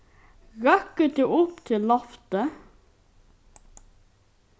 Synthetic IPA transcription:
ɾɑkət̪̚d̪ʉːʔʊpt̪ʰɪlːɑft̪ə

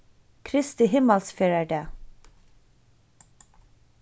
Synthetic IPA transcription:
kʰɾɪst̪ɪhɪməlsfeːɹæɖeː

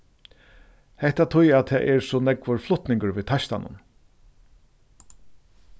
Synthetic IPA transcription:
hɛht̪at̪ʰʊjæt̪ʰɛːʔɛɾsɔnɛkʋʊɾflʊht̪nɪŋkəɾviːt̪ʰaʃt̪a̰nʔʊ̰n

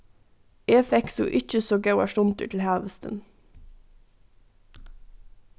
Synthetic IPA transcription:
eːfɛksṵːʔɪc͡çəsoːɡɑʉɑ̰ːʃʊnt̪ə̰ʈʰl̩hæːʋəst̪ə̰n

